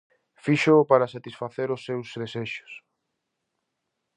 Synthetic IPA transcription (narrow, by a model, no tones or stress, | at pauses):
fiʃopaɾɐsat̪isfaθeɾʊsːewzðeseʃʊ̥s